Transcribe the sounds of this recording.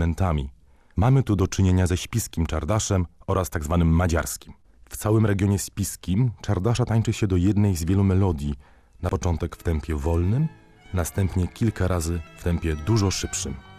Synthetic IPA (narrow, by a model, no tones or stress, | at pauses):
ɛnt̪amʲi | mamɘt̪ud̪ɔt͡ʂɘɲeɲazɛɕpʲiskʲimt͡ʂaɾd̪aʂɛmɔɾast̪aɡzvanɘmːad͡ʑa̰ɾskʲim | ft̪sawɘmɾɛɡʲjɔɲɛɕpʲiskʲimt͡ʂaɾd̪aʂat̪aɲt͡ʂɘɕɛd̪ɔjɛd̪nɛjzvʲjɛlumɛlɔd̪ʲji | napɔt͡ʂɔnt̪ɛkft̪ɛmpʲjɛvɔlnɘm | nast̪ɛmpɲɛkʲilkaɾʔazɘft̪ɛmpʲjɛd̪uʐɔʂɘpʂɘm